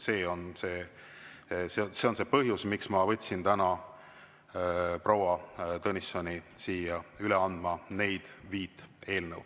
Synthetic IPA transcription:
se̞ːo̞nse̞ː | sese̞o̞nse̞pɤɦjusmiksmɑvɤ̞t̪ʲsint̪ænɑ | prowɑt̪ɤnisːo̞nʲisiːjɑyleɑnd̪̥mɑne̞jd̪̥viːt̪ːˑe̞ːlnəw

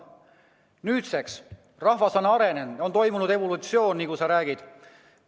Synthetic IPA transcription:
nyːt̪seks | rɑhvɑsɑnɑɾe̞nenont̪o̞jmunud̪e̞volut̪sio̞ːnːikusɑɾæːɡ̥id̪̥

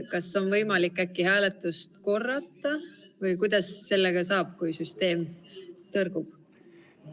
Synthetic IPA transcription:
kɑsːo̞nvɤjmɑlikːækːihæːlet̪ːˑust̪ko̞rːɑt̪ːˑɑvɤjkujd̪̥ɑsːe̞lːeɡ̥ɑsɑːb̥̚kujsyst̪e̞ːmt̪ɤrɡ̥ub̥̚

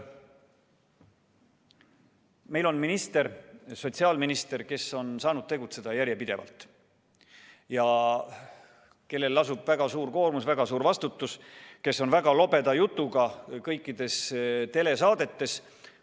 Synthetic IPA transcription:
me̞jlo̞nminist̪e̞ɾso̞t̪ʲsiɑːlminist̪e̞ɾke̞so̞nsɑːnud̪̥̚t̪e̞ɡut̪se̞d̪̥ɑjæɾjepid̪̥e̞vɑ̰lt̪ˑ | jɑ | ke̞lːe̞lːɑsub̥væɡ̥ɑsuːɾko̞ːrmusvæɡ̥ɑsuːɾvɑst̪ut̪ːuske̞sːo̞nvæɡ̥ɑlo̞be̞d̪̥ɑjut̪ˑːuɡɑkɤjkˑːid̪̥e̞st̪e̞le̞sɑːd̪e̞t̪ːe̞s

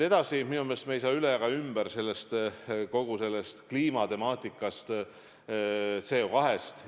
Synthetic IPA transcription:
e̞d̪ɑsiminumest̪meejs̬ɑːyleɑɡɑymb̥æɾse̞lːest̪ko̞ɡ̥use̞lːe̞st̪kliːmɑt̪e̞mɑːt̪ˑikːˑɑst̪ | t̪se̞ːokɑɦe̞st̪

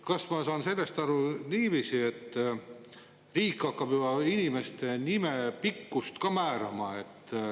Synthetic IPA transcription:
kɑsmɑsɑːnse̞lːe̞st̪ɑɾuniːviːsie̞t̪ːˑ | riːkːˑɑkːɑb̥jybɑinime̞st̪e̞nimepikːust̪kɑmæːɾɑ̰mɑe̞t̪ː

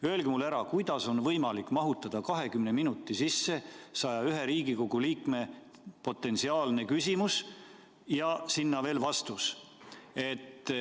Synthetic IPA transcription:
ø̞elɡ̥imulæɾɑkujd̪̥ɑso̞nvɤjmɑlikːˑmɑɦut̪ːˑɑd̪̥ɑkɑɦe̞kymne̞minut̪ːˑisisːe̞sɑjɑyɦe̞ɾiːɡ̥iko̞ɡ̥uliːkme̞ | po̞t̪ːˑe̞nsiɑːlne̞kysʲimus | jɑsinːɑve̞ːlvɑst̪us | e̞t̪ːˑ

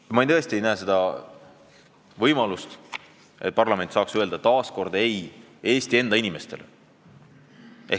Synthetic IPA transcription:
jmɑejnt̪ɤest̪ie̞jnæese̞d̪̥ɑ | vɤjmɑlust̪ | e̞t̪̚pɑrlɑme̞nʲt̪sɑːksøeld̪ɑt̪ɑːsko̞rd̪̥ɑe̞j | e̞ːst̪ie̞nd̪ɑinime̞st̪e̞̰lḛ | e

